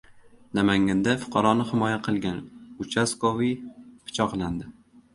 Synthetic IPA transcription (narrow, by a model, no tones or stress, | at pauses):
namaŋɡʲand̪afʊ̥qʰɑɾɒnɪhɪmɒjaqʰɨlˠɡʲanʊt͡ʃʰaskovipʰɪ̥t͡ʃʰɒqlˠand̪ɪ